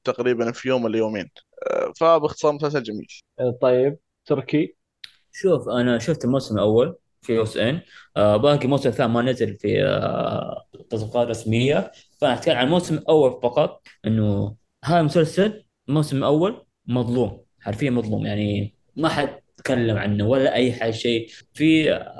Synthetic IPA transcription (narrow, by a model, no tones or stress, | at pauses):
t̪aqɾiːbanfijoːmɪlːajoːmeːnfabɪxt̪ɨ̥sˤɑːɾmʊs̬als̬ald͡ʒamḭːlt̪ˤɑjːɪb̚ | t̪ʊɾki | ʃuːfʔanaʃʊft̪ɪlmoːsɪmlʔawːal | fioːsʔɪnʔbaːɡimoːsɪmθaːmanazɪlfḭ | t̪ːɑsˤbiqɑːt̪rˤɾˤɑsmɪjːa | fʔanɪħt̪kaːlʕanmoːsɪmʔawːalfɑqɑt̪ˤʔɪnːu | ɦaːjmʊsalsal | lmoːsɪmlʔawːal | mɑðˤluːm | ħaɾfɪjːamɑðˤlṵːmjaʕni | maħad̪̚t̪kalːamʕa̰nːawalːaʔajːħaʃeːfi